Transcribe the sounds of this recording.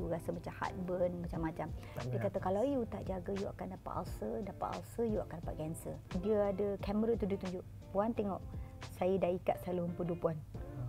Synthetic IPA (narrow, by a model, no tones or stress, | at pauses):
uɾasəmat͡ʃamha̰t̪̚bənmat͡ʃamːat͡ʃamdəkat̪akalawjut̪aʔd͡ʒaɡəjua̰kandapa̰ʔa̰lsədapaʔ̪a̰lsəjua̰kandapat̪̚ɡɛnsədiəadəkaməɾat̪udiət̪uɲd͡ʒʊʔ | want̪ɛŋɔʔsajədaikat̪̚saluɦəmpudupuan